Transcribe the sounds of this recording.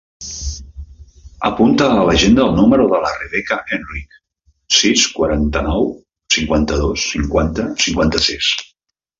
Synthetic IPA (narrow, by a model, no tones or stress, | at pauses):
əpunt̪əːləʒend̪əːlˠnuməɾuðələreβɛkəʔenrik | siskwaɾant̪ənɔw | siŋkwant̪əðosːiŋkwant̪əsiŋkwant̪əsis